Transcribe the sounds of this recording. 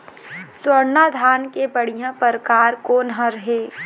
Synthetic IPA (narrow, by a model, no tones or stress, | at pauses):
swəɾnaːd̪ʱaːnkebɐɽ̤ijãpəɾkaːɾkoːnɦə̃ɾəɦeː